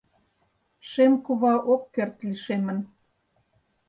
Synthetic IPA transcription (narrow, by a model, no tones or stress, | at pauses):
ʃemkuβɑʔokːert̪liʃemə̆n